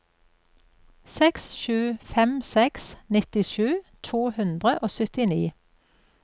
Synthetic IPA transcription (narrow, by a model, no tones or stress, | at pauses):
sɛksʃʉːfɛmsɛksnɪt̪ɪʃʉːt̪ʰuːhʉnd̪ʁəʔoːsʏt̪ɪniː